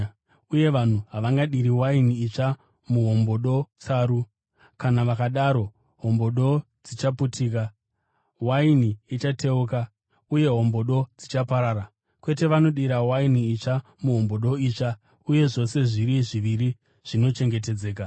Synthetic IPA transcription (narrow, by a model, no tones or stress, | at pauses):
uje̞ʋan̤uɦaʋaŋɡaɗiɾiwainiːt͡ʃa | muɦo̞mbo̞ɗo̞t͡saːɾu | kanaʋakaɗaɾo̞ | ɦo̞mbo̞ɗo̞ | d͡zit͡ʃaputiːk̬a | wainiit͡ʃate̞uka | uje̞ɦo̞mbo̞ɗo̞d͡zit͡ʃapaɾaːɾa | kwe̞te̞ʋano̞ɗiɾawainiːt͡ʃa | muɦo̞mbo̞ɗo̞iːt͡ʃa | uje̞ʐo̞se̞ʐiɾiʐiʋiɾi | ʐ̥ino̞t͡ʃe̞ŋɡe̞t̬e̞d͡ze̞ːka